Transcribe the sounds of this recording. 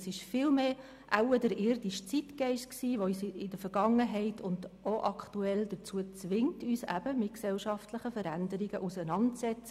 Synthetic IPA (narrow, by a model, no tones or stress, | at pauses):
sɪʃfɪːlmeː | ʔa̰ʊədəɾɪɾdiʃt͡sitkɛɪʃtksiːʋoysɪdəfəɾɡ̥ɑŋəɦɛɪtʰʊnd̥oʔɑktuɛldət͡suət͡sʋɪŋtyːsæ̰b̥əmɪtksɛlʃɑftləχəfəɾændəɾiɡ̥əʔusənɑntt͡sɛt͡sə